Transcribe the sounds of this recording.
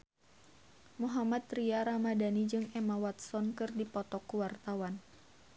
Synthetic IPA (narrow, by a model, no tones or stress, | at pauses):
muɦamat̪ɾiaɾamadanid͡ʒɨŋɛmawat̪̚sɔnkɨrdipɔt̪ɔkuwart̪awan